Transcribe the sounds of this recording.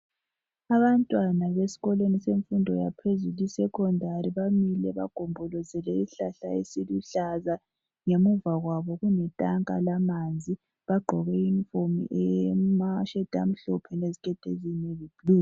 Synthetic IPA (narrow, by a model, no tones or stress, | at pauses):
aβantʼwanaβesi̥ɣɔlweniseɱfundʱɔ̰japʰezulisɛkʰɔndʱariβamilɛβa̰ɡ̥ʱombʱɔlɔzɛlɛiɬaɬa̰ḛsiluɬaza | ŋemuvaɣwaβɔɣunɛtʼaŋkʼa̰lamand͡zʱi | βaɡ͡ǃʱɔɣɛiɱfomḭʔɛmaʃɛd̥ʱa̰m̩ɬɔpʰɛnezikʰʼɛtʰʼeziɲɛzib̥liː